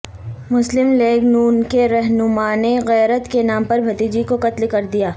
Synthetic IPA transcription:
mʊslɪmleːɡnuːnkeɾɛɦnʊmaːneɣɛːɾət̪kenaːmpɐɾbʱɐt̪iːd͡ʒikoqɐt̪lkɐɾd̪ijaː

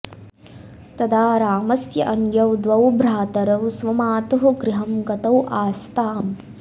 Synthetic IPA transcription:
t̪ɐd̪aːɾaːmɐsjɐʔɐnjɐwd̪ʋɐwbɾaːt̪ɐɾɐwsʋɐmaːt̪ɐɦuɡɾɪɦɐmɡɐt̪ɐwʔaːst̪aːm

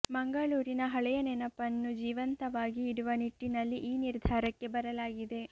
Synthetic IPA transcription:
mɐŋɡɐɭuːɾinɐɦɐɭɛjɐnɛnɐpɐnːud͡ʒiːʋɐnt̪ɐʋaːɡiːɽuʋɐniʈːinɐlːiʔiːniɾd̪ʱaːɾɐkːe̞bɐɾɐlaːɡid̪e̞

